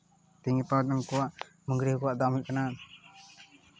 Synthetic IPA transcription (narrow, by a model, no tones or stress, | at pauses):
t̪iŋɛpawd̪ɔŋkɔwaʔ | məŋɡɾikɔwaʔd̪amiʔkanan